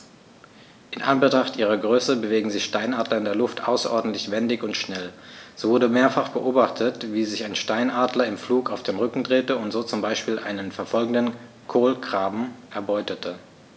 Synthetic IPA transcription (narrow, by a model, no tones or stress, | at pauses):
ʔɪnʔa̰nbətʁ̥aχtʔiːʁ̞ɐɡʁøːsəbəveːɡŋ̩zɪçʃtaɪnʔaːdlɐɪndeːɐlʊftʰʔa̰ʊsɐʔɔɐdn̩tlɪçv̥ɛndɪçʊntʃnɛlz̥oːvʊɐdəmeːɐfaχb̥əʔoːbaχtʰətv̥iːzɪçaɪnʃtaɪnʔaːdlɐɪmfluːkaʊfd̥eːnʁʏkŋ̩dʁeːtəʊntz̥oːt͡sʊmbaɪʃpiːlʔaɪnənfɛɐfɔlɡŋ̩dən | kʰoːlkʁ̥aːbm̩ʔɛɐbɔʏtətʰə